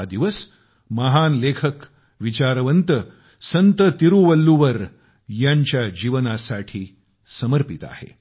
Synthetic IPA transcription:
d̪iʋəs | məɦanlekʰək | ʋit͡ɕaɾʋənt̪ə | sənt̪ət̪iɾuʋəlːuʋəɾ | jaɲt͡ɕjad͡ʑiʋənasaʈʰiː | səməɾpit̪a̰hḛ

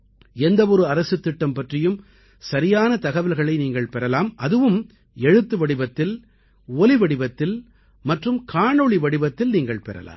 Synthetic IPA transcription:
ɛnd̪ɐɔɾɯɐɾɐsɯt̪ːɪʈːɐmpɐʈrɪjɯm | sɐɾɪjaːnɐt̪ɐɣɐʋɪlɣɐɭɐɪniːŋɡɐɭpɛɾɐlaːmʔɐðɯʋɯm | ɛɻɯt̪ːɯʋɐɽɪbɐt̪ːɪl | ɔlɪʋɐɽɪbɐt̪ːɪl | mɐʈrɯmkʰaːɳɔɭiʋɐɽɪbɐt̪ːɪlniːŋɡɐɭpɛɾɐ̰la̰ːm

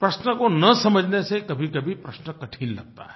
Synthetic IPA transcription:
pɾəsnəkonəsəməd͡ʒʱnesẽkəbʱikəbʱipɾəsnəkəʈʰinlɐ̰ɡ̚t̪a̰ɦɛ

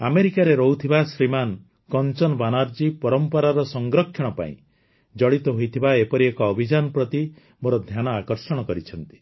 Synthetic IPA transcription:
ameɾikaɾeɾɔɦut̪ʰibasɾiman | kɔnt͡ʃɔnɔbanaɾd͡ʒipɔɾɔmpɔɾaɾɔsɔŋɡɾɔkʰːjɔɽ̃ɔpa̰ḭ̃ | d͡ʒɔɽit̪ɔɦojt̪ʰibaepɔɾiekɔːbʱid͡ʒanɔpɾɔt̪i | moɾɔd̪ʱjanɔakɔɾsɔɽ̃ɔkɔɾit͡ʃʰɔnt̪i̥

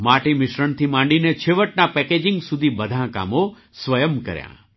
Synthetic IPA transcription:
maʈimɪʃɾəɳt̪ʰimãɳɖinet͡ʃʰeʋəʈ̚napɛked͡ʒɪ̃ŋɡsud̪ʱibəd̪ʱãka̰mo | sʋəjəmkə̰ɾjã̰

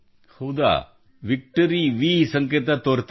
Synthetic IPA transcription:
hɐwd̪a̰ː | ʋik̚ʈɐɾiʋiːsɐŋket̪ɐt̪oːɾt̪

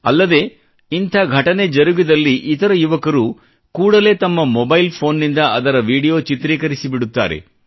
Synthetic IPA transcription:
ɐ̰lːɐd̪e̞ː | int̪ʰaːɡʱɐʈɐne̞d͡ʒɐɾuɡid̪ɐlːiʔit̪ɐɾɐjuʋɐkɐɾu | kuːɽɐle̞ːt̪ɐmːɐmɔbɐjlpʰo̞ːnːind̪ɐɐd̪ɐɾɐʋiːɽijo̞ːt͡ʃit̪ɾiːkɐɾisibiɽut̪ːa̰ːɾe̞̰

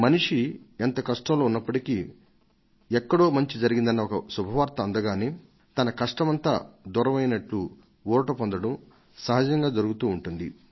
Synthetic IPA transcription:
mɐniʂient̪ɐkɐʂʈɐmlo̞ːunːɐpːɐʈiki | ɛkːɐɽo̞ːmɐɲt͡ʃid͡ʒɐɾiɡind̪ɐnːɐɔkɐsubʱɐʋaːɾt̪ɐːnd̪ɐɡaːneː | t̪ɐnɐkɐʂʈɐmɐnt̪a̰ːd̪uɾɐʋɐjnɐʈlu | ʋɔːʈɐpond̪ɐɽɐm | sɐɦɐd͡ʒɐŋɡaːd͡ʒɐɾuɡut̪uːɳʈund̪i

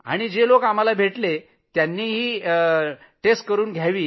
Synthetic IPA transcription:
a̰ɽ̃id͡ʑelokam̤alabʱeʈle | t̪janːiːɦiː | ʈesʈ̚kəɾuːnɡʱjaʋiː

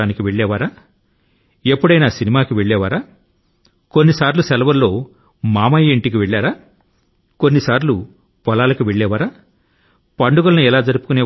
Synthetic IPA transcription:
aːnikiʋe̞ɭːɛːʋaːɾaː | e̞pːuɽɐjnaːsinimaːkiʋeɭːɛːʋaːɾaː | ko̞nːisaːɾlusɛlɐʋɐlːo̞ː | maːmɐjɐiɳʈik̬iʋeɭːaːɾaː | ko̞nːisaːɾlu | pɐlaːlɐkiʋeɭːɛːʋaːɾaː | pɐɳɖuɡɐlɐnuɛlaːd͡ʒɐɾupukunɛː

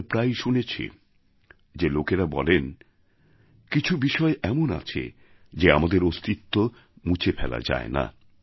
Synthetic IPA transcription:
pɾajʃunet͡ɕʰḛ | d͡ʑelokeɾabɔ̰len | kit͡ɕʰubiʃɔeʔɛmona̰t͡ɕʰḛ | d͡ʑeamad̪eɾost̪it̪ːo | mut͡ɕʰepʰɛla̰d͡ʑa̰ena̰

